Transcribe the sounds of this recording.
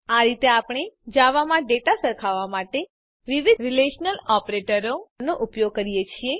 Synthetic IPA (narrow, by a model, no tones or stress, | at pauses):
aɾit̪eapɽ̃ed͡ʒaʋamãɖeʈasəɾkʰaʋamaʈe | ɾiʋiɾileʃnəlɔpɾeʈəɾonoʔupjoɡ̚kəɾijet͡ʃʰie